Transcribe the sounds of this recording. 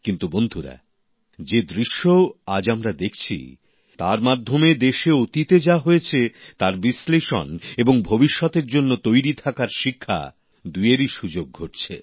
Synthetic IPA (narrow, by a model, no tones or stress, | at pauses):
kint̪ubond̪ʱuɾa̰ | d͡ʑed̪ɾiʃːoad͡ʑamɾad̪ekʰt͡ɕʰḭ | t̪a̰ɾmad̪ʱːomed̪eʃeot̪it̪ed͡ʑaɦojet͡ɕʰet̪aɾbisleʃɔ̰neboŋbʱobiʃːɔt̪eɾd͡ʑonːot̪ojɾit̪ʰakaɾʃikʰːa̰ | d̪ujeɾiʃud͡ʑoɡ̚ʱoʈt͡ɕʰḛ